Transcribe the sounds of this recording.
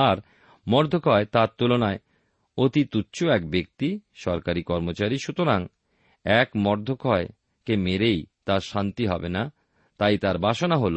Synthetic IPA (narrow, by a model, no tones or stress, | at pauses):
aɾ | mɔɾd̪ʱokɔet̪aɾt̪ulonae | ot̪it̪utːɕʰoɛkbek̚t̪iʃɔɾkaɾikɔɾmot͡ɕaɾiʃut̪oɾaŋ | ɛkmɔɾd̪ʱokɔe | kemeɾejt̪aɾʃant̪iɦɔbena | t̪ajt̪aɾbʱaʃonaɦolo